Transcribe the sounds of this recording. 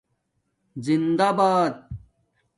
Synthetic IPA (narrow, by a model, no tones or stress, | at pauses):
zind̪abaːd̪̚